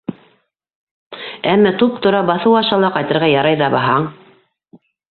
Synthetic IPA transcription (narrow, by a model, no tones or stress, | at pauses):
æmːæt̪up̚t̪ŏɾɑbɑθɤwɑʃɑlˠɑqɑjt̪ɤ̆ɾʁɑjɑɾɑjðɑbɑɦɑɴ